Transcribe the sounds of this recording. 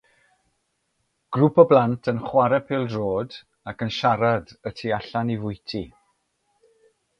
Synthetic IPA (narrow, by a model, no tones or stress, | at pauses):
ɡ̥rupɔblˠantʰənχwaɾɛpʰɪlˠdroːd | akənʃaɾadətʰiaɬanivʊjtʰi